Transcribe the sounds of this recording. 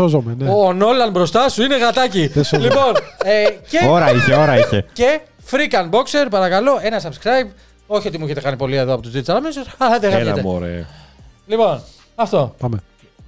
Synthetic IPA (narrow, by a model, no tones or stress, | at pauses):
ozomeneono̞lɐnbɾo̞st̪ɐsuine̞ɣɐt̪ɐcilipo̞neceoɾɐiçeoɾɐiçece̞ | fɾikɐnbo̞kse̞ɾpɐɾɐkɐlo̞e̞nɐs̬ɐbskɾɐjb | o̞çio̞t̪imuiçe̞t̪e̞kɐnipo̞lieðoɐpo̞t̪uzd̪it̪sɐɾɐmesusɐlɐt̪eɣɐet̪eo̰ɾḛ | lipo̞n | ɐft̪o̞pame